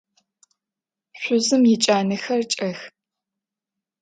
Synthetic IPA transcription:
ɕʷʊzɨmjɪt͡ʃʼaːnɨxɐrt͡ʃʼɐx

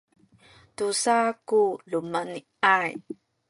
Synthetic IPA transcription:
tusakulumani | aj

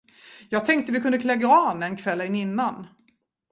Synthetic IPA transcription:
jɑːɡ̚t̪ʰɛŋk̚t̪əvɪkʰɵnd̪əkʰlɛɡɾɑːnɛnkʰvɛlːɛnɪnːan

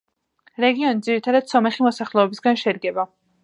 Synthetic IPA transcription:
ɾɛɡiɔnid̪ziɾit̪ʰad̪ad̪̥sɔmɛχimɔsaχlɛɔbisɡanʃɛd̪ɡɛba

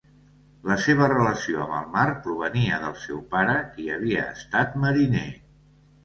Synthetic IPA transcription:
ləseβ̞ərələsioəməlˠmaɾpɾuβ̞əniəðəlˠsɛwpaɾəkiəβ̞iəːst̪at̪məɾine

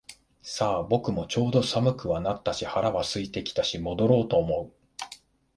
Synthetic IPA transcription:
saːbo̞kɯ̟mo̞t͡ɕo̞ːd̪o̞samɯ̟kɯ̟βanat̪ːaɕihaɾaβasɨit̪e̞kʲi̥t̪aɕimo̞d̪o̞ɾo̞ːt̪o̞ːmo̞ɯ̟

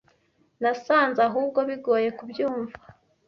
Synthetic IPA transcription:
nasaːnzaɦuːbɡo̞βiɡo̞ːje̞kubjuːɱva

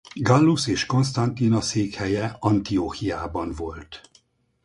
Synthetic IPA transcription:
ɡɒlːuseːʃko̞nst̪ɒnt̪inɒseːkhɛjɛɒnt̪ioːhijaːbɒnvo̞lt̪

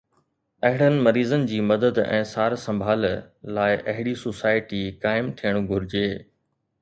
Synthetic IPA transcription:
ɐɦɪɽ̤ənɪ̆mɐɾiːzənɪ̆d͡ʑiːmɐd̪əd̪ɛ̰̃ːsaːɾsɐ̃mbʱaːllaːɪʔɐɦɪɽisoːsaːɪʈikaːɪmt̪ʰijəɽ̃ɡʱʊɾɪd͡ʑeː

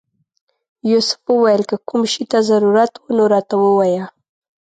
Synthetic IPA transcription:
josʊ̥fwəwajəlkəkumʃit̪azaɾuɾat̪wunoɾɑt̪awəwaja

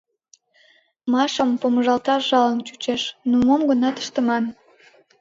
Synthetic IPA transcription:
mɑʃəmpoməʒɑlˠt̪ɑʒɑlənt͡ɕut͡ɕeʃnumomɡənɑt̪ə̥ʃt̪əmɑn

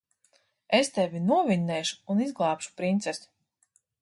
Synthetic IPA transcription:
est̪ɛvʲinuɔviɲːɛːʃu̥unizɡlˠɑːpʃu̥pɾint̪sɛsu̥

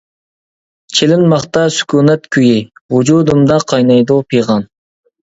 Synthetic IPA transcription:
t͡ʃʰelɪnmɑχt̪ɑsy̥kʲʰuːnɛt̪kʲʰyjɪwud͡ʒud̪umd̪ɑqʰɑjnɑjd̪upʰijʁɑn

